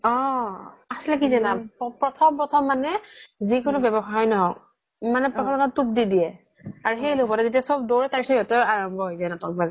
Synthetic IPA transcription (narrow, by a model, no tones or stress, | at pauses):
ɔ | aslakizanapɔpɹɔtʰɔmpɹɔtʰɔmːanɛzikʊnʊbɛbɔxaɔjnɔɦɔ | manɛpɔtʰɔlɔkantup̚didiɛ | aɹuxejlopɔtɛzetiasɔb̚doɹɛtaɹisɔjɔtɔaɹɔmbʱɔɦojzajnatɔk̚bazɛ